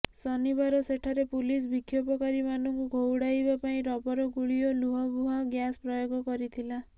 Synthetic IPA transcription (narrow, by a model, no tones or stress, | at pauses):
sɔnibaɾɔseʈʰaɾepulis̬bikʰːjɔpɔkaɾimanɔŋkuɡʱowɽajbapaĩɾɔbɔɾɔɡuɭiɔluɦɔbuɦaɡjaspɾɔjoɡɔkɔɾit̪ʰila